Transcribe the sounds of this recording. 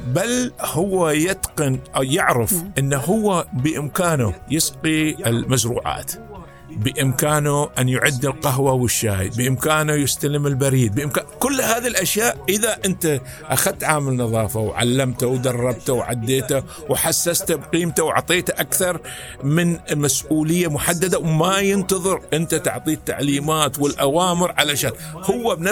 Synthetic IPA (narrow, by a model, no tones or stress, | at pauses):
balhʊwːajɪt̪qɨnʔajɪʕɾɪfʔɪnːaɦʊwːabɪʔɪmkaːnujɪsqiɪlmasɾṵːʕa̰ːt̪ | bɪʔɪmkaːnuʔanjʊʕad̪ːɪlqɑɦwawɪʃːaːjbɪʔɪmkaːnujɪst̪alɪmɪlbaɾiːd̪̚bəʔɪmkaːkʊlːhaːðilʔaʃjaːʔʔɪðaʔʔɪnt̪a | ʔaxad̪̚t̪ʕaːmɪlnɑðˤɑːfawʕa̰lːamt̪awd̪ɑrˤːɑb̚t̪awʕa̰d̪ːeːt̪a | wħasːast̪abqiːmt̪awa̰ʕt̪ˤeːt̪ʔakθɑɾˤ | mɪnmasʔuːlɪjːamʊħad̪ːad̪awmajɪnt̪ɑðˤɨɾʔɪnt̪at̪a̰ʕt̪ˤiːt̪ːa̰ʕliːmaːt̪wɪlʔawaːmɪɾʕalaʃaːnhʊwːabn